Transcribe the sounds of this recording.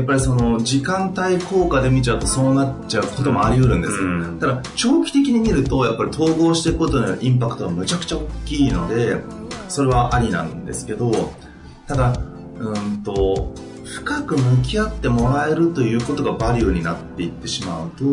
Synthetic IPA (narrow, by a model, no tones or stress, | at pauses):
japːaɾʲiso̞no̞d͡ʑikãnt̪aiko̞ːkad̪e̞mʲit͡ɕaɯ̟t̪o̞so̞ːnaaɯ̟ko̞t̪o̞moaɾʲiɯ̟ɾɯ̟̃nd̪e̞sɨt̪ad̪at͡ɕo̞ːkʲi̥t̪e̞kʲiɲ̟imʲiɾɯ̟t̪o̞japːaɾʲit̪ʰo̞ːɡo̞ːɕi̥t̪e̞ikɯ̟kot̪o̞nʔĩmpakɯ̟̥t̪oβamɯ̟t͡ɕakɯ̟̥t͡ɕaokʲːiːno̞d̪e̞so̞ɾe̞β̞aʔaɾʲinã̰nd̪e̞̰sɨ̥ke̞d̪o̞ | t̪ad̪a | ɯ̟̃nt̪o̞ | ɸɯ̟̥kakɯ̟mɯ̟k̬ʲiat̪ːe̞mo̞ɾae̞ɾɯ̟t̪o̞jɯ̟ːko̞t̪o̞ɡabaɾʲɯ̟ːɲ̟inat̪ːe̞it̪ːe̞ɕimaɯ̟t̪o